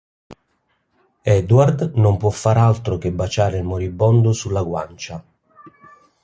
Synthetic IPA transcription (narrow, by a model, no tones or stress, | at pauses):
ɛd̪ward̪nompwɔfːaɾalt̪ɾʊkɪbːat͡ʃaːɾɪlmoɾibːɔnd̪ʊsulːaɡwant͡ʃa